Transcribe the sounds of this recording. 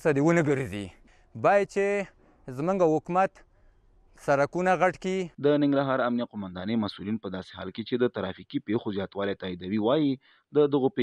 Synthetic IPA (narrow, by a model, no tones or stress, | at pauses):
sad̪ewənəɡəɾzḭ | bɑjad̪̚t͡ʃe | zmuŋɡahʊkmat̪ | saɾakunaɣaʈkid̪ənɪŋɡɾaɦɑɾamnijaqomand̪ɑnəjmasulinpəd̪ɑse̥hɑ̰lket͡ʃed̪ət̪aɾɑfikipexozjɑt̪wɑlet̪ɑid̪awiwɑji | d̪əd̪əɣope